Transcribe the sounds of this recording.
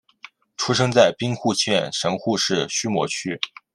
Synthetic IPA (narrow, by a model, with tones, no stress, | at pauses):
ʈ͡ʂʰu˥ʂ̬ɤ˥ŋt͡sa˥˩ɪpi˥ŋxu˥˧t͡ɕʰjɛ˥˩nʂɤ˧˥ŋxu˥˧ʂɻ̩˥˩ɕy˥mwɔ̰˧˥t͡ɕʰy˥